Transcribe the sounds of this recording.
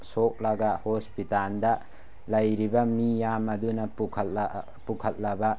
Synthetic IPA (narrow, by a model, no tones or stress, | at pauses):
sok̚lɐɡahospitandɐ | lɐjɾibɐmijamɐd̪unɐ | pukʰɐt̚lɐbɐ